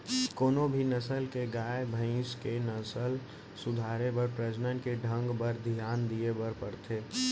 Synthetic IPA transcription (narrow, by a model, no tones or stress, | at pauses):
koːnobʱinəsəlkeɡaːebʱə̃ɪ̃skenəsəl | sʊd̪ʱaːɾebəɾpɾəd͡ʒnənkeɖʱə̃ŋɡbəɾd̪ʱijaːnd̪iebəɾpəɾt̪ʰeː